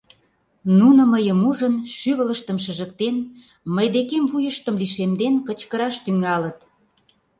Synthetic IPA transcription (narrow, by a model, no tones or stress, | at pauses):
nunə̆məjəmuʒənʃyβə̆ləʃt̪ə̆mʃ̬əʒə̆k̚t̪en | məjd̪ekemβujəʃt̪əmliʃemd̪enkə̆t͡ɕkəɾɑʃt̪yŋɑlə̆t̪